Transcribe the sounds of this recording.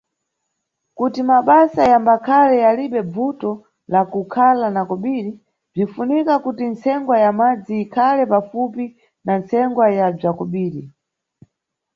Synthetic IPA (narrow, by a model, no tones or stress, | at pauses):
kutimaɓasajambakʰalɛjaliɓɛb͡vutɔ | lakukʰalanakɔɓiːɾi | b͡ʐifunikakutint͡sɛŋɡwajamad͡ziːkʰalɛpafupi | nant͡sɛŋɡwajab͡ʐakɔɓiːɾi